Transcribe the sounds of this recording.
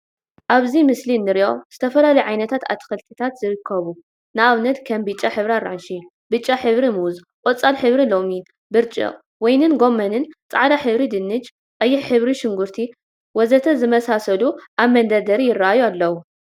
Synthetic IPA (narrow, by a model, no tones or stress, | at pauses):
ʔaβzimɨslinːɨɾʔo̞z̥ɨt̪ʰɐfɐlalɐjʕajnɐt̪ʰat̪a̰t̪ʰːxɐlt̪ʰɨt̪ʰat̪zɨɾɨkʰːɐβu | nɨʔaβnɐt̪kʰɐmbɨt͡ʃʼːaħɨβɾaɾaʕnʃi | bɨt͡ʃʼːaħɨβɾimuzqʼot͡sʼalħɨβɾilo̞mi | bɨɾt͡ʃʼɨ̰ʔʼ | wɔjnɨnɡo̞mːɐnɨnt͡sʼaʕd̪aħɨβɾid̪ɨnːɨt͡ʃ | qʼɐjːɪħħɨβɾiʃɪŋɡuɾt̪ʰi | wɔzɐt̪ʰɐzɨmɐsasɐluʔaβmɐnd̪ɐd̪ɐɾijɪraʔajualːɐwu